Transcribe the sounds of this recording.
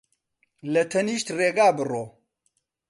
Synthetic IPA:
lɐt̪ʰɐniːʃt̪reːɡaːbɨroː

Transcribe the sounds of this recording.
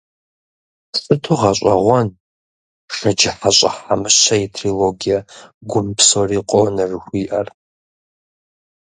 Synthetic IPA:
sʼɨtʰuʁɐɕʷʼɐʁʷɔn | ʂɐd͡ʒɪħaɕʷʼɐħamɨɕɐetʰriloɡijaɡʷʊmpʰsoriːqʷʼɔwnɐrɨxʷiːʔɐr

